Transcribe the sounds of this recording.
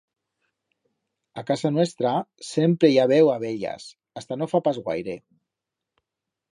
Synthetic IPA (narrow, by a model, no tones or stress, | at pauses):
akazanwest̪ɾasempɾejaβewaβeʎa̰s | ast̪anofapazɣwa̰jɾe